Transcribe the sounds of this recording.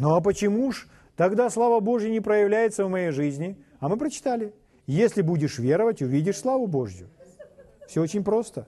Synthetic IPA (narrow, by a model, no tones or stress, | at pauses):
noɐp̬ət͡ɕɪmuʂ | t̪ɐɡd̪aslˠavəbo̞ʐjɪnʲɪpɾəjɪvlʲæjɪt̪səvmɐjejʐɨzʲnʲɪ | ɐmɨpɾət͡ɕɪ̥t̪alʲɪ | jesʲlʲɪbudʲɪʂvʲe̞ɾəvətʲʊvʲidʲɪʂslˠavʊbo̞ʐjʊ̰ | fsʲoot͡ɕɪnʲpɾo̞st̪ə